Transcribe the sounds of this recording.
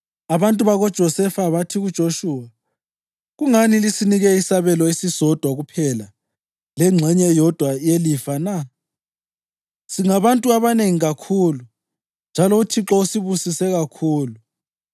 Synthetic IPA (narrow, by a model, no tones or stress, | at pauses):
aβantʼuβaɣɔd̥ʒ̥ʱɔsɛfaβatʰiɣud̥ʒ̥ʱoʃuːwa | ɣuŋanilisiniɣɛisaβɛlɔisisɔd̥ʱwaɣupʰɛla | lɛŋ͡ǁʱɛɲɛjɔd̥ʱwajelifana | siŋaβantʼuaβaneŋiɣakʰulu | nd͡ʒʱalɔutʰiǁɔusiβusisɛɣakʰuːlu